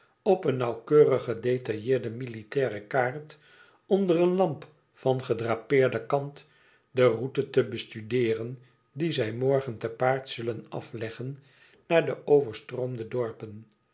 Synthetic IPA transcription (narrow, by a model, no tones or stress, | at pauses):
ɔpənːɑwkøːrəχədetɑjɪːɹdəmilitɛːrəkaːɹt | ɔndərənlɑmp | fɑnχədraːpɪːɹdəkɑnt | dərutətəbəstydɪːrən | dizɛjmɔɹχəntəpaːɹtsɵlənɑ̰flɛχənː | aːɹdəʔowvəɹstroːmdədɔɹpən